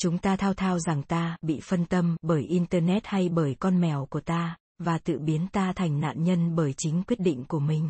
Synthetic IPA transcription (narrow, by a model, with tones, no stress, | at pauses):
t͡ɕʊ˨˦ŋ͡mt̪aː˧t̪ʰaː˧wt̪ʰaː˧wza˨˩ŋt̪aː˧ɓḭ˧˨fə˧nt̪ə˧mɓəː˧˩jʔi˧nt̪əː˧nɛ˦˥t̚ha˧jɓəː˧˩jkɔ˧nmɛ˧˩wku˧˩ət̪aː˧ | vaː˨˩t̪ɨ̰˧˨ɓi˨˦ənt̪aː˧t̪ʰa˨˩jŋ̟na̰ː˧˨nɲə˧nɓəː˧˩jt͡ɕï˨˦ŋ̟kwi˦˥ət̚ɗḭ̈˧˨ŋ̟ku˧˩əmï˨˩ŋ̟